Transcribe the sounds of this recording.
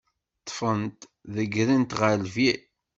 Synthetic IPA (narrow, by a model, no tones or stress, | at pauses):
t̪ˤːfənt̪ | ðəɡɾint̪ʁəlvi